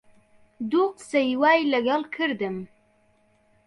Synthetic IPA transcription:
d̪uqsajwajlaɡalkʰəɾd̪əm

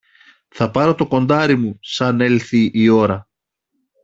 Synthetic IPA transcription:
θɐpɐɾo̞t̪o̞ko̞nd̪ɐɾimusɐne̞lθiʔːo̞ɾɐ

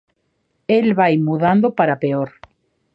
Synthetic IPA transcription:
elβajmuðand̪opaɾapeoɾ

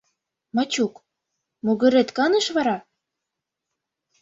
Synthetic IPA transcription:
mɑt͡ɕuk | muɣɘ̆ɾet̪kɑnɤ̆ʃβɑɾɑ

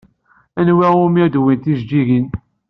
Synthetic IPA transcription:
ænwiʊmid̪wint̪iʒd͡ʒiʝin

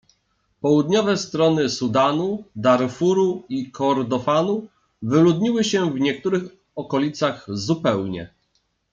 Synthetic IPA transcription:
pɔwud̪ɲɔvɛst̪ɾɔnɘsud̪anud̪aɾfuɾuikʰɔɾd̪ɔfanu | vɘlud̪ɲiwɘɕɛvɲɛk̚t̪uɾɘx | ɔkɔlʲit̪saɣzupɛwɲɛ̰

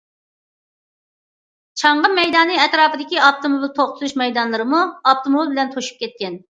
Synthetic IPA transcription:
t͡ʃʰɑɴʁɑmɛjd̪ɑːnɨɛt̪ɾɑːpɨd̪ɪkʲiɑp̚t̪omoblˠt̪ʰoχt̪ʰʊlˠuʃmɛjd̪ɑnlˠɨɾɨmuɑp̚t̪ʰomoblbɪlɛnt̪ʰoʃu̥p̚kʲɛt̪̚kʲɛn

